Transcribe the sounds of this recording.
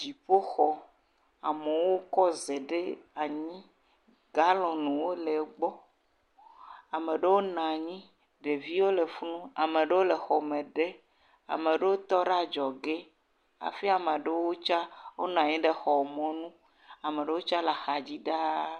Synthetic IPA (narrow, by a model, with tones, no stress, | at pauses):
d͡ʒi˨ɸo˦xɔ˨ | a˨me˨wo˦kɔ˦ze˨ɖe˦a˨ɲĩ˦ | ɡa˦lɔ̃˨nũ˨wo˦le˨ɡ͡bɔ˦ | a˨me˨ɖe˦wo˦nã˨ɲĩ˦ | ɖe˨vi˦wo˦le˨fu˦nũ˦a̰˨mẽ˨ɖe˦wo˦le˨xɔ˨mẽ˨ɖe˦ | a̰˨me˨ɖe˦wo˦t̪ɔ˦ɖa˦d͡ʒɔ˨ɡe˦ | a̰˨fi˦a˨mã˨ɖe˦wwo˦t͡ʃa˦wo˦nã˨ɲĩ˦ɖe˦xɔ˨mɔ̃˦nũ˦ | a˨mẽ˨ɖe˦wo˦t͡ʃa˦la˨xa˨d͡ʑi˦ɖa˦